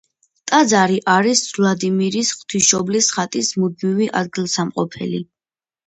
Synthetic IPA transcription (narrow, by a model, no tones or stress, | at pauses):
t̪ʼad̪zaɾiʔaɾisvlad̪imiɾisχwt̪ʰiʃɔblisχat̪ʼismud̪̚miviʔa̰d̪̚ɡilˠsamqʼɔpʰɛ̰lḭ